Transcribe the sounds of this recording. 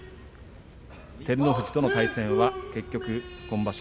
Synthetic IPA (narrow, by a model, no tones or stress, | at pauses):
t̪e̞ɾɯ̟noɸɯ̟t͡ɕi̥t̪o̞no̞t̪aisẽ̞ɰ̃βake̞kʲːo̞kɯ̟kõ̞mbaɕ